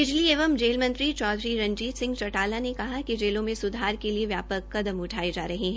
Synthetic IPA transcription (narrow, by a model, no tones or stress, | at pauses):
ɪd͡ʒlieːʋəmd͡ʒeːlmɐ̃nt̪ɾit͡ʃɔːd̪ɾiɾɐ̃ɲd͡ʒiːt̪sɪ̃ŋɡt͡ʃɐʈaːlanekɐɦakid͡ʒeːlõmẽsʊd̪ʱɦaːɾkelieʋjaːpəkkɐd̪əmʊʈʰaːid͡ʒaːɾɐɦiɦɛ̃ː